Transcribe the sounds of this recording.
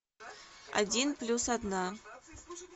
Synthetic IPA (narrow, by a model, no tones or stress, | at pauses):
a̰dʲinplʲusad̪na